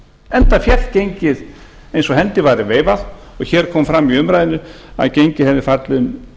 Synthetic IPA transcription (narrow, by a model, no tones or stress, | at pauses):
ɛnt̪afjɛrlcejɲcɪð | ejnsɔɦɛnt̪ɪvaɾɪveːjvað | ɔɣçɛːɾ̥kʰɔːmfɾamːiʏmɾajðɪnːʏ | a̰ðcejɲcɪhɛvðɪfat̪lʏn